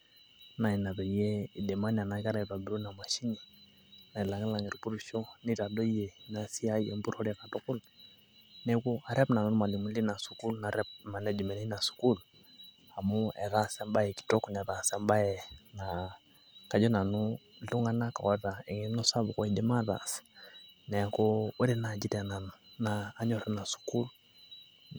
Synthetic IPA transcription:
na˨i˨na˨ðɔ˨i˦jɛ˦i˨dɛ˨ma˦n˨a˨na˨˦ka˦ɾa˨ɾa˨bi˨ɾu˦na˨ma˨ʃi˦ni˨ | na˨i˨la˨ŋɛ˦la˨ŋɛ˨ɾu˨pu˦ɾu˦ʃɔ˦ni˦ɾa˨dɔ˦i˦jɛ˨na˨si˦a˦i˦ɛ˨mbu˦ɾhɔ˦ɾa˨ka˨tɔ˦ku˦l | nɛ˨ku˦a˨ɾɛ˦pna˨nu˦ɾu˦ma˨li˨mu˨li˦na˨su˨ku˦lna˨ɾɛ˦p̚ma˨nɛ˦d͡ʒi˨mɛ˨nɛ˦i˦na˨su̥˨ku˦l | a˨mu˦ɛ̰˨ða˦sɛ˦mba˦jɛ˨ki̥˨tɔ˦ku˨nɛ˨ða˨sɛ˦mba˦jɛ˨ŋa˨ | ka˨d͡ʒɔ˦na˨nu˦˨˦ | u˦ŋa˦na˦ka̰˨wa˦ða˨ɛ˨ŋɛ˦nɔ˦sa˦βu˨kɔ˦i˨di˦ma˦ða̰˨s | nɛ˨kɔ˦wɛ˦ɾɛ˦na˨d͡ʒi˦ta˨na˨n˨naː˦ɲɔ˨ɾɛ˦na˨su̥˨ku˦l

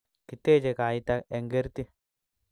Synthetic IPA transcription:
kɪ˨t̪ːeː˦˨t͡ʃe˨kaː˨it̪a˦e˨ŋɡɛ˦ɾt̪i˦

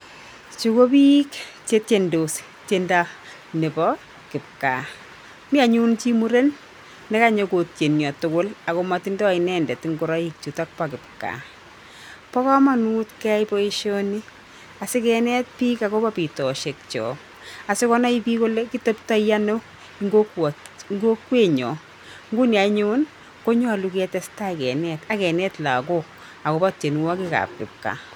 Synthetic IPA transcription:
t͡ʃu˨ko˦pi˦kt͡ʃe˦tendos | tenda˦ | ne˨pɔ | kɪ˨p̚ka̰ | mi˦a˨ɲu˦nt͡ʃi˦mu˦ɾe˦nː | ɛ˦kaɲokotje˨njɔ˨tʊkʊ˦la˨komatindɔ˦a˨inɛndɛ˨ti˦ŋɡʊ˨ɾɔik̚t͡ʃu˨ta˦k̚pakɪ˨p̚ka̰˨ | pɔ˦kɔ˦ma˦nu˦tkɛ˦jpɔ˦i˦ʃoni˦ | a˨sɪ˦kɛnɛ˦t̚piː˦ka˨ko˦pa˦pi˨tɔ˨ʃe˨k̚t͡ʃɔ̰ | a˨sɪ˦kɔ˦na˦i˦pi˦ko˦le˦ki˦to˦pta˦jja˦no˦ | iŋɡo˦kwɔ˨ŋɡo˦kwe˦ɲɔ˨ | ŋɡu˦ni˨a˨ɲʊ˦n | ko˦ɲwa˨lu˨kɛ˦tɛ˦sta˦kɛ˨nɛ˦ta˦kɛ˨nɛ˦tla˨ko | a˨ko˨˦pa˦t͡ʃe˨n˨wa˦ki˦ka̰˨p̚kɪ̰p̚ka̰˨

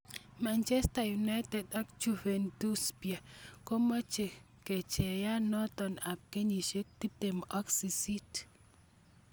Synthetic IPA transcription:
ma˨nt͡ʃɛ˦stajuna˦tɛ˨dɔ˦kt͡ʃu˦vɛ˨ndu˦sbia˨ko˦mɔ˦t͡ʃe˨ | kɛ˨t͡ʃɛ˨ja˦nɔ˦t̪ɔ˨na˨p̚ke˦ɲi˨ʃe˦k̚t̪i˦te˨mɔ˦ksi˨si˦t

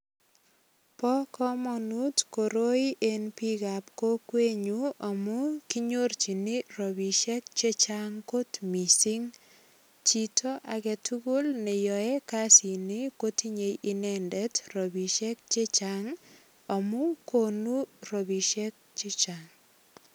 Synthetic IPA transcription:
pɔ˦kɔ˦mɔ˨nu˦tko˨ɾo˦i˦ʔe˦npi˦ɡa˨pko˦kwe˦ɲu˦ɔ˨mu˦ki˦ɲo˦rt͡ʃi˨ni˦ɾo˨bi˨ʃɛ˦k̚t͡ʃe˦t͡ʃaŋko˦tmi˨si˦ŋ | t͡ʃi˨tʰo˦ʔa˨ɡɛ˨tʰu˦ɡu˦lne˨jɔ˨ɛ˦ka˦si˨nɪ˦ko˦ti˦ɲe˨jʔi˦nɛ˦ndɛ˦tɾo˨bi˨ʃɛ˦k̚t͡ʃe˦t͡ʃaŋ | ɔ˨mu˦ko˦nu˦ɾo˨bi˨ʃɛ˦k̚t͡ʃe˦t͡ʃa˨ŋ

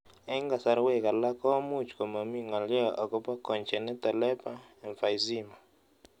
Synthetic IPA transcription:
ɛ˦ŋɡa˨sa˦ɾwɛ˦˨ka˨la˦kɔ˦mu˦t͡ʃkɔ˨ma˨mi˦ŋa˨ljɔ˦ʔa˨ko˦pa˦kɔ˨ɲt͡ʃɛ˨nɛ˦t̪ɛ˨lɛ˦pa˦ɛ˨ɱfa˨jzi˦ma˨

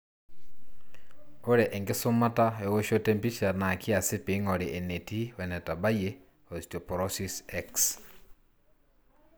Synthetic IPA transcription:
o˦ɾe˨ʔe˨ŋɡe˦su˦ma˦ta˦e˨wo˦ʃo˦te˦mpi˦ʃa˨na˨kʰi˦a˨si˦pi˨ŋo˨ɾe˨ʔe˨ne˨ti˦wɛ˨nɛ˨ta˨ba˦je | o˨si̥to˨pɾosisɛks

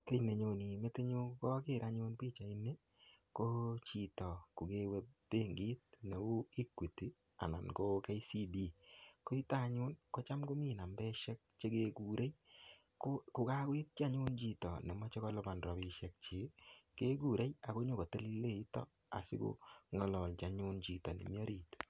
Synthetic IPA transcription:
te˦i˨ne˨ɲo˨ni˨me˦te˦ɲo˦kɔ˦kɪ˦ɾʔa˦ɲʊ˦npiː˦t͡ʃa˨i˦ne˦ | ko˦t͡ʃi˨tɔ˨ku˨ɡe˦we˦b̥e˦ŋɡi˦t̚ne˨u˦i˦kwe˨ti˨ | a̰˨na̰˨nko˦ke˦i˦si˦bi˦ko˦i˦ta˦˨ɲʊ˦nko˦t͡ʃa˦mko˦mi˦˨na˨mbɛ˦ʃɛ˦k̚t͡ʃe˦ke˦ku˨ɾʔe˦j | ko˦kʊ˨ka˦kwi˦t̚t͡ʃa˦ɲʊ˦nt͡ʃi˨tɔ˨ne˨ma˦t͡ʃe˦kɔ˦lɔ˦ba˨nɾɔ˨bi˦ʃɛ˦k̚t͡ʃe˦ke˦ɡu˦˨ɾe˦ja˨ko˦ɲo˦ko˨te˦li˦le˦i˦tɔ̰˦ | a̰˨sɪ̰˦ko̰˦ŋɔ˨lɔ˨lt͡ʃa˨ɲʊ˦nt͡ʃi˨tɔ˨nḛ˨mi˦ɔ˦ɾiː˨t

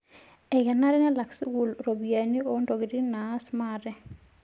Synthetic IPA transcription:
ɛ˨ɡɛ˨na˦ɾɛ˦nɛ˦la˨ksu˦ɡu˨lɾo˨bia˨nio˨˦ndo˨ɡi˨ɾi˦naː˦smaɾɛ˦

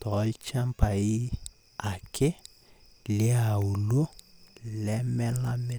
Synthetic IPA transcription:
tɔ˨˦lt͡ʃa˦mpa˨i˦ | a˨kʰɪ˦ | lɪ˦a˨u˨lo˦lɛ˦mɛ˦la˦mɪ˦

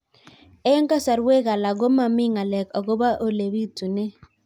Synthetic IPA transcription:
ɛ˦ŋka˦sa˨ɾwe˦ɡa˨la˨ɡo˦ma˨mɪ˦ŋa˨lɛ˨kɔ˨ɡo˦ba˦ʔo˨le˨wi˦tu˨nɛ˦

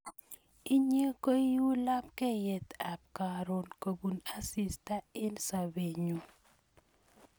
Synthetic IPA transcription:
i˦ɲe˦ko˦i˦u˦la˦pkɛ˦˨jɛ˨t̪a˨p̚ka˨ɾo˨nko˨bu˨na˦si˨sta˦ɪ˦nsa˨be˨ɲo˨

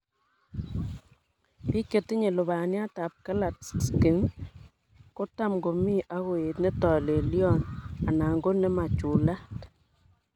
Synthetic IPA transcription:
pi˦ke˨ti˦ɲe˨lʊ˨βa˨nja˦ta˨p̚ka˦la˨tsski˨ŋ | ko˦ta˦mɡo˨mi˦ʔa˦ɣo˨e˨tnɛ˦tɔ˨le˨ljɔ˦na˨na˨ŋɡo˦nɛ˦ma˨t͡ʃu˨la˦t

